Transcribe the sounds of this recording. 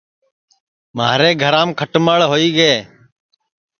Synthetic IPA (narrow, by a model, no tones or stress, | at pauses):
maːɾeːɡʱəɾaːmkʰəʈməɭɦoːiːɡəeː